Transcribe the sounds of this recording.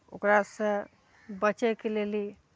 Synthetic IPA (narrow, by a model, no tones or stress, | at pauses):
o̰kɾasə̃ | bət͡ʃɛkeleli